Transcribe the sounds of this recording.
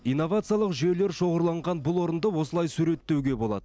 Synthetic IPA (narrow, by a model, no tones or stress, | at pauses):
ijnːo̞vat̪sɨjalˠəqʒie̞le̞ɾʃo̞ʁəɾlˠɑɴʁɑnbʊlˠwo̞ɾənd̪əwo̞səlˠɑjsʉɾe̞t̪ːe̞wɡʲe̞bo̞lˠɑ̰d̪ə